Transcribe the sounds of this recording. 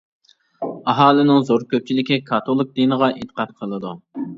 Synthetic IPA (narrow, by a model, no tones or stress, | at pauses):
ɑɦɑːlˠɨnɪŋzoɾkʲøp̚t͡ʃʰilɪkʲikʰɑt̪ʰolˠɨk̚d̪inəʁɑʔit̪ə̥qʰɑt̪̚qʰəlˠɨd̪u